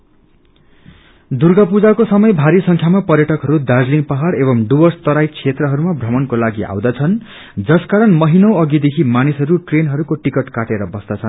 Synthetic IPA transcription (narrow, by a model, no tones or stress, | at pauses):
d̪urɡapud͡zakosʌmʌjbʱaɾisʌŋkʰjamapʌrjʌʈʌkɦʌɾud̪ad͡zliŋpaɦaɽebʌmɖubʌrst̪ʌɾajt͡sʰet̪rʌɦʌɾumabʱrʌmʌnkolaɡia̰w̃d̪at͡sʰʌn | d͡zʌskaɾʌnmʌɦinʌw̃ʌɡid̪ekʰimanisʌɾuʈrenɦʌɾukoʈikʌʈkaʈeɾʌbʌsd̪at͡sʰʌn